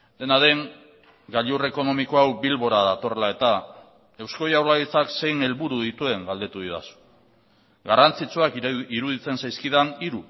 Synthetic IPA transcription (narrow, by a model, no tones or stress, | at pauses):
d̪e̞naðe̞ŋ | ɡaʎure̞ko̞no̞miko̞awbilβo̞ɾaðat̪o̞relae̞t̪a | e̞wsko̞jawɾlaɣit͡sakse̞jne̞lβuɾuðit̪ue̞ŋɡald̪e̞t̪uðiða̰su̥ | ɡarant͡sit͡suakiɾuðit͡se̞nsajskið̞aniɾu